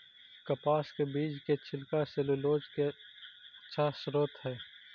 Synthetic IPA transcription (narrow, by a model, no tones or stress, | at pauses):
kɐpaːskebiːd͡ʒket͡ʃʰɪlkaseloloːd͡ʒke | tːʃʰasɾoːt̪ɦɛː